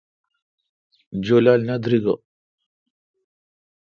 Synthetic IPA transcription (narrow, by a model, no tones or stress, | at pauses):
d͡ʑolalnad̪ɾiɡɐ̰